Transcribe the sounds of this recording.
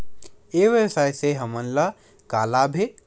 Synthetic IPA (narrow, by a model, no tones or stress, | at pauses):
eʋjewsajseɦəmənlə | kaːlabʱeʈ̪̚